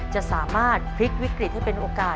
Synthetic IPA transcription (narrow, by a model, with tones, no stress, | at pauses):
t͡ɕa˨˩ʔsaː˩˦maː˥˩t̪̚pʰɾi˦˥k̚wi˦˥kɾi˨˩t̪̚ʰːiː˥˩pe˧nʔoː˧kaː˨˩